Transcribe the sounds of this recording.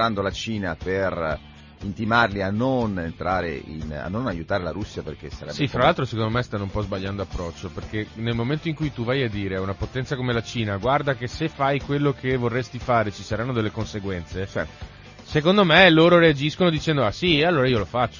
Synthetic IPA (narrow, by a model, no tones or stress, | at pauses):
and̪olat͡ʃiːnaper | int̪imarlianːonent̪ɾaːɾḛḭna̰nːonajut̪aːɾelaɾusːjaperkesːa̰ɾɛ̰bsifɾalalt̪ɾosekond̪omɛst̪anːoumpɔzbaʎːand̪oapːɾɔt͡ʃːoperkenelmoment̪oiŋkujt̪uvajad̪ːiːɾeaunapot̪ɛnt̪sakomelat͡ʃiːnaɡward̪akesefajkwelːokʰevorːest̪ifaːɾet͡ʃisaɾanːod̪elːekonseɡwɛnt̪set͡ʃɛ̰ | sekond̪omeloːɾoɾead͡ʒiskonod̪it͡ʃɛnd̪oasiealːoːɾaiolofat͡ʃːo